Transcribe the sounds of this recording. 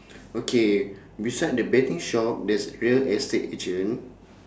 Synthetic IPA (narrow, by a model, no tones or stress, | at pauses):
okʰe | bisaɪdəbɛtĩŋʃɔp̚dɛsɹiəlɛsteted͡ʒə̃n